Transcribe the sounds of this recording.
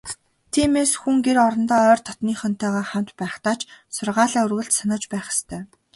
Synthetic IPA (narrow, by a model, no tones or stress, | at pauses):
t̪ʰiːmeːsxuŋɡeɾɔɾɞ̆nt̪ɔːœːrt̪ʰɔt̪niːχœn̥t̪ʰœːʁaːχam̥t̪pæːχt̪aːt͡ɕsʊrʁaːɮaːɵrɣə̆ɬt̪sanə̆t͡ɕpæːχɪ̥st̪ʰœː